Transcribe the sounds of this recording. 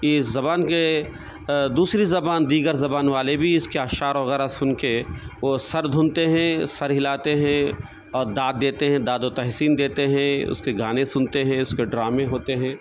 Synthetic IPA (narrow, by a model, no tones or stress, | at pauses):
ɪzɐbaːnke | d̪uːsɾizɐbaːnd̪iːɡəɾzɐbaːnʋaːlebʱiɪskeaːʃaːɾʋɐɣɛːɾasʊnkeʋoːsɐɾd̪ʱʊ̃nt̪eɦɛ̃sɐɾɦɪlaːt̪eɦɛ̃ | ɔːɾd̪aːd̪̚ːeːt̪eɦɛ̃d̪aːd̪ot̪ɛɦsiːnd̪eːt̪eɦɛ̃ʊ̰skeɡʱaːnẽsʊnt̪eɦɛ̃ʊskeɖɾaːmẽɦoːt̪eɦɛ̃ː